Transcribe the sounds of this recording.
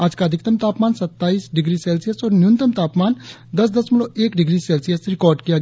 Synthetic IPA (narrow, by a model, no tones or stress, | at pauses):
aːd͡ʒkaəd̪ʱɪkt̪əmt̪aːpmaːnsɐt̪ːaːiːsɖɪɡɾiːsɛːlsijəsɔːɾnjʊnt̪əmt̪aːpmaːn | d̪ɐs̬d̪ɐsmɪloːʔeːkɖɪɡɾiːsɛːlsijəsɾɪkɔːɾɖkijaɡ